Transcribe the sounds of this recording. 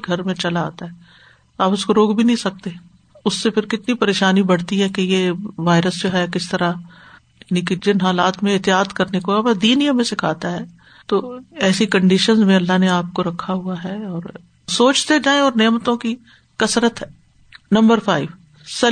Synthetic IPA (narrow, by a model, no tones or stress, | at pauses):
ɡʱɐɾmẽt͡ʃɐla̰ːt̪aɦɛ | aːpʊskoɾoːkbʱinɐɦĩsɐk̚t̪e | ʊsːepʰɪɾkɪt̪nipɐɾeːʃaːnibɐɽ̤t̪iɦɛkejeʋaːɪɾəsd͡ʒoɦɛkɪst̪ɐɾa | jaːniked͡ʒɪnɦaːlaːt̪mẽɪɦt̪ɪjaːt̪kɐɾnekoɐbad̪iːnijamẽsɪkʰaːt̪aɦɛː | t̪oːɛːsikɐ̃ɳɖiʃənzmẽɐlːaɦneaːp̚koɾɐkʰːaɦuaɦɛɔːɾ | soːt͡ʃt̪ed͡ʒaːẽɔːɾneːmt̪õki | kɐsɾət̪ɦɛː | nɐ̃mbəɾfʰa̰ːɪʋ | sɐ